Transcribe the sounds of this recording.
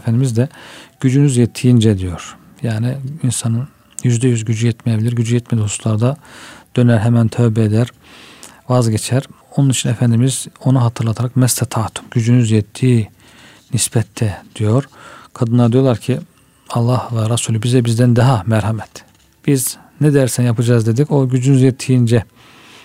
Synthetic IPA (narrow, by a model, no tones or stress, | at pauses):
efænd̪imizd̪ɛɟ̥yd͡ʒynyzjɛt̪ʰːijind͡ʒɛd̪ijo̞ɾ̥ | jaːniinsɑnɯn | jyzd̪ɛjyzɟyd͡ʒyjɛt̪mɛjebilʲiɾɟyd͡ʒyjɛt̪mɛd̪ihusu̥slˠaɾd̪ad̪̥ø̞næɾɦɛmænt̪ʰøvbɛed̪æɾ | vazɟet͡ʃʰæɾ | o̞nunit͡ʃʰinɛfænd̪imizo̞nuɦɑt̪ʰɯɾlˠat̪ʰaɾakmɛst̪ʰɛt̪ʰɑːt̪ʰu̥mɟyd͡ʒynyzjɛt̪ʰːiː | nisbɛt̪ʰːɛd̪̥ijo̞ɾ̥kʰad̪ɯnlˠaɾd̪ijo̞lˠaɾcʰi | ɑlˠːɑhvɛɾɑsuːlʲybizɛbizd̪ænd̪ɑɦɑmæɾhɑmɛt̪ | b̥iz | nɛd̪ɛɾsænjapʰɯd͡ʒaːzd̪e̞d̪icʰo̞ɟyd͡ʒynyzjɛt̪ʰːijind͡ʒɛ